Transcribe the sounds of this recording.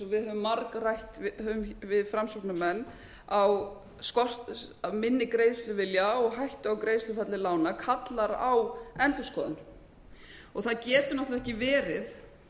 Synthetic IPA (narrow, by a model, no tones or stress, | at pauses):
ɔvɪðhœːvʏmːaɾkrajht̪ɪhœvʏmvɪðfɾamsɔpnʏmɛnː | aw | skɔr̥t̪amɪnːɪkɾeːjðst̪lʏvɪljaɔɣɦajht̪ʏawkɾejðst̪lʏfɛt̪lɪlaːwnakʰat̪laɾawɛnt̪ʏskɔːðʏ̰n | ɔɣθaðcɛːt̪ʏnɔht̪avɛhcɪvɛːɾɪð